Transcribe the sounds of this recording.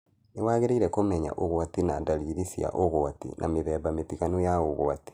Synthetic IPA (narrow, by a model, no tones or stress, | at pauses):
newaːɣeɾeiɾɛkomɛɲa̰ʔoɣoatinadaliːɾisia̰ʔoɣoatḭnʔa̰meβɛːβamepiɣanojaoɣo̰ati̥